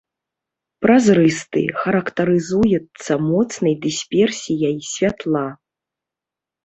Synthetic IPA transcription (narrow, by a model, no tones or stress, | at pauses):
pɾazɾɨst̪ɨ̰xɐɾɐkt̪ɐɾɨzujɛt̪sːɐmɔt̪snɐjd̪ɨsʲpʲɛrsʲijɐjsʲvʲat̪lˠa